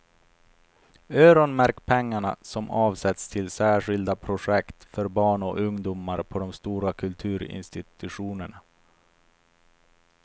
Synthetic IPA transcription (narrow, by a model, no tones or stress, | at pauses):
øːɾɔnmæɾkpʰɛŋːaɳa̰sɔmɑːvsɛt̪st̪ʰɪlsæːɧɪld̪apʰɾʊʂɛkt̪fœɾbɑːɳɔ̰ɵŋd̪uːmaɾpʰɔd̪ɔmst̪uːɾakʰɵlt̪ʰʉ̟ːɾɪ̰nst̪ɪt̪ɵɧuːnəɳa